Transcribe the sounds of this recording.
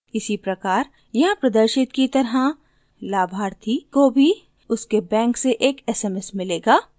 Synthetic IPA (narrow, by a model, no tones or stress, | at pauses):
kɪsipɾɐkaːɾ | jɐɦãpɾɐd̪əɾʃɪt̪kit̪ɐɾɦã | laːbʱaːɾt̪ʰikobʱi | ʊskebɛ̃ːŋkseʔeːkɛːsɛmɛsmɪleːɡaː